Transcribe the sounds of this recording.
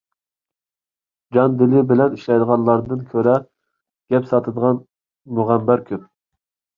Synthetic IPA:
d͡ʒɑnd̪ɪlɪbɪlɛniʃlɛjd̪əʁɑnlˠɑɾd̪ɨnkʲʰøɾɛ | ɡ̥ʲɛpsɑt̪ʰɨd̪əʁɑn | muʁæmːæɾkʲʰyn

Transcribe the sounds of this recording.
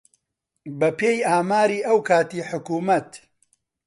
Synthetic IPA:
bɐpeːjaːmaːɾiːʔɐwkʰaːt̪iːħʊkuːmɐt̪

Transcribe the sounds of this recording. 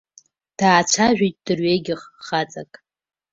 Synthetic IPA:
d̥aːt͡ʃʷʰaʒᶣitʼd̥ɨrɥejɡʲɪχːat͡sʼakʼ

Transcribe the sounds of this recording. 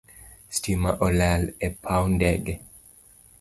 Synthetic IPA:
stimaʔɔlalɛpʰawndɛɡɛ

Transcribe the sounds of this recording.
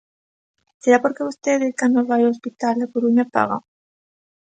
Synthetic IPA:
seɾapoɾkeβost̪eðekand̪oβajoospit̪alepoɾuɲapa̰ɣa̰

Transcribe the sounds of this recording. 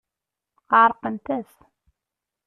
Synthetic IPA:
qɑɾˤqənt̪æs

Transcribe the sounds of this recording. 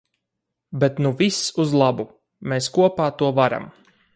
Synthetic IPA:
bet̪nuvʲisuzlˠabu | meːskuɔpaːt̪uɔvaɾa̰m

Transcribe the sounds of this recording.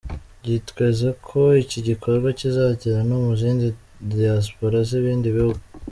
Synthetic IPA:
ɟitkwezakʰo̞iciɟikʰo̞ɾɡwacizaːɟiɾanumuziːndi | dias̬po̞ɾaziβiːndiβihuɡ

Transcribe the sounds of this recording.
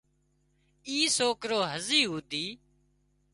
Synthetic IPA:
iːsoːkɾoːɦəziːɦuːd̪iː

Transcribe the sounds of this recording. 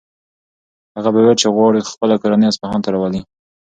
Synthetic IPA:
haɣabawet͡ʃeɣwɑɽixpəlakaɾanijaspahɑnt̪aɾɑwali

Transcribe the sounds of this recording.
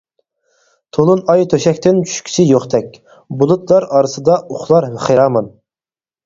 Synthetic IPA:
t̪ʰolˠunɑjt̪ʰøʃɛkʲt̪ɪnt͡ʃʰy̥ʃkʲʰi̥t͡ʃʰiɪjoχt̪ɛkʲ | bulˠut̪lˠɑɾɑːɾɨsɨd̪ɑuχlˠɑɾhɪχeɾɑːmɑn

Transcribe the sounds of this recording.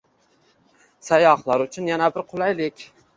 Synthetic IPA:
sɑjɑhlˠɑɾʊt͡ʃʰʊnjɛnæbɪɾqʰʊlˠɑjlɪkʲ

